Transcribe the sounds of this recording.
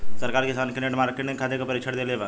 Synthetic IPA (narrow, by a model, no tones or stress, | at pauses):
sɐɾkaːɾkɪsaːnkɪneʈmaːɾkeʈnẽkʰaːd̪ekapɐɾɪkʃʰəɽd̪eleʋaː